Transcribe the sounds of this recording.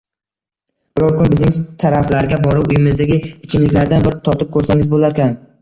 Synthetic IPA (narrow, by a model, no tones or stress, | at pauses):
b̥ɪɾɒɾkʊnbɪznɪŋt̪ʰaɾaflaɾɡʲabɒɾɪpʊjɪmɪzd̪aɡʲɪɪt͡ʃʰɪmlɪkʲlaɾd̪anbɪɾɪt̪ʰɒɾt̪ɪp̚kʰɵɾsaŋɪzbolaɾkʲan